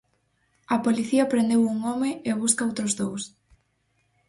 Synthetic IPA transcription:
ɐpoliθiɐpɾend̪ewuŋɔmɪeβ̞uskɐowt̪ɾʊzðows

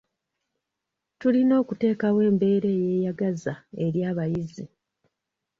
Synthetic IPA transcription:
tulino̞ːkute̞ːkawe̞ːmbe̞ːɾe̞ːje̞ːjaɡazae̞ɾjaːβajizi

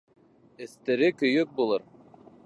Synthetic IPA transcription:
ɘ̆st̪ɘ̆ɾɘkɵ̆jɵk̚bulˠɤɾ

